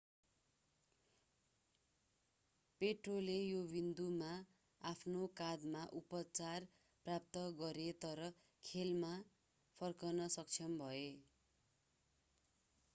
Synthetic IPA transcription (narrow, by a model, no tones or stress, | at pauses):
peʈrolejobind̪uma | apʰnokad̪maʔupʌt͡sar | prap̚t̪ʌɡʌɾet̪ʌɾʌ | kʰelma | pʰʌrkʌnʌsʌk̚t͡sʰʌmbʱʌe